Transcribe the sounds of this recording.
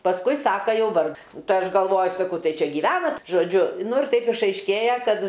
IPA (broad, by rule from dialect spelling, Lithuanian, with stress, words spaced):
pɐsˈkʊɪ ˈsɑːkɐ ˈjɛʊ ˈʋɐr ˈtɐɪ ˈɐʃ ɡɐlˠˈʋoːjʊ sɐˈkɐʊ ˈtɐɪ ˈt͡ʃʲɛ ɡʲiːˈʋʲæːnɐt ʒoːˈd͡ʒʲʊ ˈnʊ ɪr ˈtɐɪp ɪʃɐɪʃʲˈkʲeːjɛ ˈkɐt